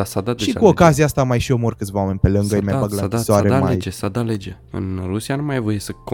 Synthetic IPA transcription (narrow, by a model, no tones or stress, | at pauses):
asad̪aʃʃikuo̞kazijaast̪amajʃio̞mo̞rkɨt̪svawame̞nʲpe̞lɨŋɡəjmajbaɡlad̪isoaɾema̰jd͡ʒesad̪aled͡ʒe | ɨ̰nɾusijanumajvo̞jesək